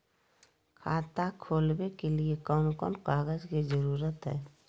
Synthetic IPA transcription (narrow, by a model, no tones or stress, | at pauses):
kʰaːt̪akʰoːlbekeliekɔːnkɔːnkaːɡəd͡ʒkizəɾuːɾət̪ɦɛ̰ː